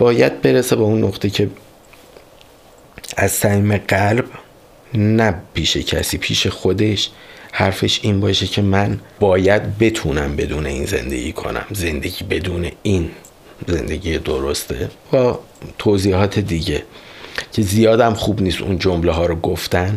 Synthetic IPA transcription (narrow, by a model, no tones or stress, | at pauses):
b̥ɒːjæd̪̚be̞ɾese̞beunːoxt̪ʰecʰe̞ | æzsæmiːme̞ɢælb | næpʰiːʃecʰæsiːpʰiːʃe̞xo̞d̪e̞ʃ | hæɾfe̞ʃiːnbɒːʃecʰe̞mænbɒːjæd̪̚be̞t̪ʰuːnæmbe̞d̪uːne̞iːnze̞̰nd̪ḛiːkʰo̞̰næ̰mze̞nd̪e̞ɟiːbe̞d̪uːne̞in | ze̞̰nd̪e̞ɟiːed̪oɾo̞st̪ʰḛbɒː | t̪ʰoːziːhɒːt̪ʰe̞d̪iːɟe̞cʰe̞zijɒːd̪æmxuːbniːst̪ṵnd͡ʒo̞mleɦɒːɾoɡoft̪æn